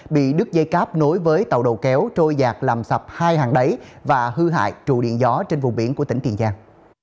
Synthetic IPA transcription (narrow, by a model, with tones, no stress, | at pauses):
ɓḭ˧˨ɗɨ˦˥k̚zə˧jkaː˦˥p̚no˨˦jvəː˨˦jt̪ə˨˩wɗo˨˩wkɛ˨˦wt͡ɕo˧jzaː˨˩k̚laː˨˩msa˨˩p̚haː˧jhaː˨˩ŋɗə˨˦jvaː˨˩hɨ˧ɦa̰ː˧˨jt͡ɕṵ˧˩ɗḭ˧˨ənzɔ˨˦t͡ɕe˧nvʊ˨˩ŋ͡mɓi˨˦nku˧˩ət̪i˧˩ŋt̪i˨˩nzaː˧ŋ